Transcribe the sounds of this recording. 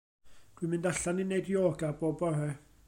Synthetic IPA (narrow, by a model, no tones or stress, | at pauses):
d̥wimɪ̃ndaɬaninːejdjoːɡaboːbɔɦɛ